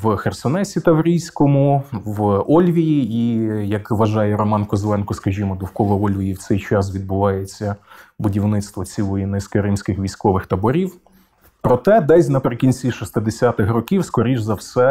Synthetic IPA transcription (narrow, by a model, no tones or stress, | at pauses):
ʋxersɔnɛsʲit̪ɐwɾʲijsʲkɔmʊʋɔlʲʋʲijiijɐkʋɐʒɑjɛɾɔmɑnkɔzlˠɛnkɔskɐʒʲimɔd̪ʊwkɔʋɐɔlʲʋʲijiwt̪sɛjt͡ʃɑsʋʲid̪̚bʊʋɑjet͡sʲːɐbʊdʲiwnɪt̪st̪ʋɔt͡sʲilˠɔjinɪskɐɾɪmsʲkɪxʋʲijsʲkɔʋɪxt̪ɐbɔɾʲiw | pɾɔt̪ɛd̪ɛsʲnɐpɾekʲinʲt͡sʲiʃist̪ɪd̪esʲat̪ɪxrɔkʲiwskɔɾʲiʒzɐwsɛ